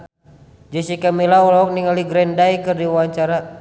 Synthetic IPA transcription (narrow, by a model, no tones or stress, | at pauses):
d͡ʒəsikamilaulaɔk̚niŋaliɡɾɛndaikɨrdiwaɲt͡ʃaɾa